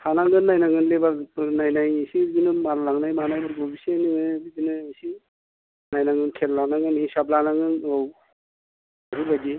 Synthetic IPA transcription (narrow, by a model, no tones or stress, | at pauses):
hanaŋɡɯnːajnaŋɯnlebapɯɾnajnajsiɡinɯmallaŋnajmaanajbɯɾbɔbiseniŋɯbizinɯesi | najnaŋɯnkʰelːanaŋɯnhisap̚lanaŋɯnɯw | aɦibadi